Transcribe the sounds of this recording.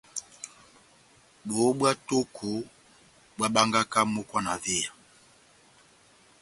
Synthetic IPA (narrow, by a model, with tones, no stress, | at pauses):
bo˨˦bwa˦to˦kʰo˨ | bwa˦ɓa˦ŋɡa˦ka˦mo˦kwa˦na˨ve˦˨a˨